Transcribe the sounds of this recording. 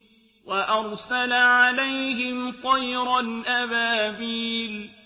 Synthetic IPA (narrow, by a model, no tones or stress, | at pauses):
waʔɑɾˤsalaʕalajhɦɪmt̪ˤɑjɾalʔabaːbiːl